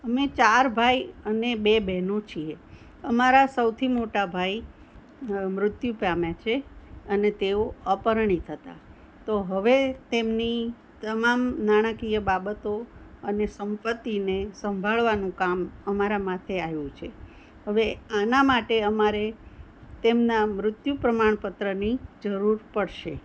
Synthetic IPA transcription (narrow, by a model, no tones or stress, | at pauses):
əmet͡ʃaɾbʱajənebebɛɦnot͡ʃʰie | əmaɾasəwt̪ʰimoʈabʱai | mɾʊt̪jupamjat͡ʃʰeənet̪eoəpəɾɳ̃it̪ʰət̪a̰ | t̪oɦəʋet̪emni | t̪əmamnaɽ̃əkijəbabət̪oənesəmpət̪ːinesəmbʱaɭʋanũkaməmaɾamat̪ʰeajũt͡ʃʰe | ɦəʋeanamaʈeəmaɾe | t̪emnamɾʊt̪jupɾəmaɳ̃pət̪ɾənid͡ʒəɾuɾpəɽʃe